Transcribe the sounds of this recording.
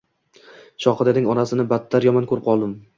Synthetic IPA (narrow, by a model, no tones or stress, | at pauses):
ʃɒqɨd̪ad̪ɪŋɒnasɪnɪbat̪ʰːaɾjɒmankʰɵɾɪp̚qʰɒlˠd̪ɪm